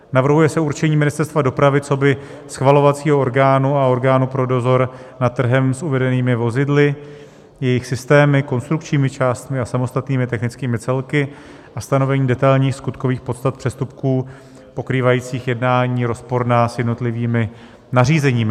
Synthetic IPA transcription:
navr̩ɦujɛsɛuɾt͡ʃɛɲiːmɪnɪst̪ɛɾst̪vado̞pɾavɪt͡so̞bɪ | sxvalo̞vat͡siːɦooɾɡaːnuao̞ɾɡaːnupɾo̞do̞zo̞ɾnat̪t̪ːr̩ɦɛmsuvɛdɛniːmɪvo̞zɪdlɪ | jɛjɪxsɪst̪ɛːmɪko̞nst̪ɾukt͡ʃɲiːmɪt͡ʃaːst̪mɪasamo̞st̪at̪niːmɪt̪ɛxnɪt͡skiːmɪt͡sɛlkɪ | ʔast̪ano̞vɛɲiːdɛt̪ajlɲiːxskut̪ko̞viːxpo̞t̪st̪at̪̚pr̥ɛst̪up̚kuː | po̞kɾiːvajiːt͡siːxjɛdnaːɲiːɾo̞spo̞ɾnaːsjɛdnot̪lɪviːmɪ | nariːzɛɲiːmɪ

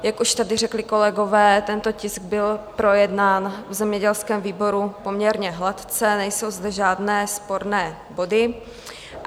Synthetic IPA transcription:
jakʔuʃt̪adɪrɛklɪko̞lɛɡo̞vɛːt̪ɛnt̪o̞cɪsɡ̚bɪlpɾo̞jɛdnaːnvzɛmɲɛɟɛlskɛːmviːbo̞ɾupo̞mɲɛɾɲɛɦlat̪t͡sɛnɛjso̞wzd̪ɛʒaːdnɛːspo̞ɾnɛː | bo̞dɪ

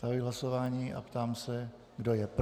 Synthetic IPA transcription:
t̪aliɦlaso̞vaːɲiːʔa̰pt̪aːmsɛ | ɡdo̞jɛp

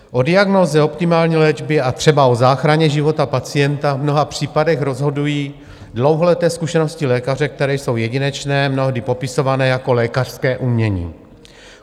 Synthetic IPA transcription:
ʔo̞dɪaɡnoːzɛo̞pt̪ɪmaːlɲiːlɛd͡ʒbɪat̪r̝̥ɛbao̞zaːxɾaɲɛʒɪvo̞t̪apat͡sɪjɛnt̪avmno̞ɦapr̝̥iːpadɛxɾo̞zɦo̞dujiː | dlo̞wɦo̞lɛt̪ɛːskuʃɛno̞scɪlɛːkarɛk̚t̪ɛɾɛːjso̞wjɛɟɪnɛt͡ʃnɛːmno̞ɦdɪpo̞pɪso̞vanɛːjako̞lɛːkar̥skɛːʔumɲɛɲḭː

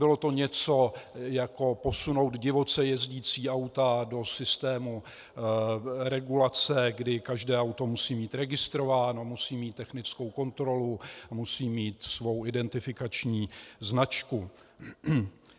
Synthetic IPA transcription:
bɪlo̞t̪o̞ɲɛt͡so̞jako̞po̞suno̞wd̪ɟɪvo̞t͡sɛjɛzɟiːt͡siːʔawt̪ado̞sɪst̪ɛːmu | ɾɛɡulat͡sɛɡdɪkaʒdɛːawt̪o̞musiːmiːt̪ɾɛɡɪst̪ɾo̞vaːno̞musiːmiːt̪ːɛxnɪt͡sko̞wko̞nt̪ɾo̞lumusiːmiːt̪svo̞wʔɪdɛnt̪ɪfɪkat͡ʃɲiːznat͡ʃku

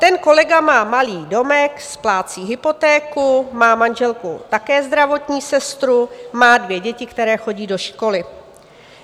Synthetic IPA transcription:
t̪ɛnko̞lɛɡamaːmaliːdo̞mɛksplaːt͡siːɦɪpo̞t̪ɛːkumaːmanʒɛlkṵt̪akɛːzd̪ɾavo̞t̪ɲiːsɛst̪ɾumaːdvjɛɟɛcɪkt̪ɛɾɛːxo̞ɟiːdo̞ʃko̞lɪ

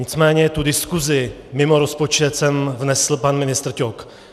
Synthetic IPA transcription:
ɪt͡smɛːɲɛt̪udɪskuzɪ | mɪmoɾospo̞t͡ʃɛt̪sɛmvnɛsl̩panmɪnɪst̪r̩cok

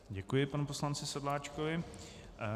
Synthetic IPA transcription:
ɟɛkujɪpanuposlant͡sɪsɛdlaːt͡ʃkovɪ

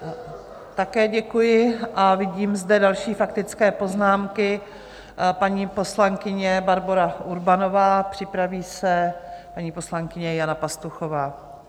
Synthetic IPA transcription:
t̪akɛːɟɛkujɪʔavɪɟiːmzdɛdalʃiːfak̚t̪ɪt͡skɛːpo̞znaːmkɪ | paɲiːpo̞slaŋkɪɲɛbaɾbo̞ɾaʔuɾbano̞vaːpr̥ɪpɾaviːsɛpaɲiːpo̞slaŋkɪɲɛjanapast̪uxo̞vaː

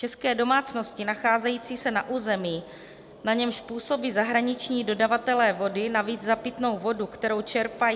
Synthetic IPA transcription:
t͡ʃɛskɛːdo̞maːt͡sno̞scɪnaxaːzɛjiːt͡siːsɛnaʔuːzɛmiː | naɲɛmʃpuːso̞biːzaɦɾaɲɪt͡ʃɲiːdo̞davat̪ɛlɛːvo̞dɪnaviːd͡zzapɪt̪no̞wvo̞dukt̪ɛɾo̞wt͡ʃɛɾpaj

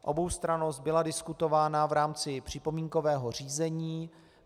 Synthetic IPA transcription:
ʔo̞̰bo̞wst̪ɾano̞st̪̚bɪladɪskut̪o̞vaːnavɾaːmt͡sɪpr̝̥ɪpo̞miːŋko̞vɛːɦo̞r̝iːzɛɲiː

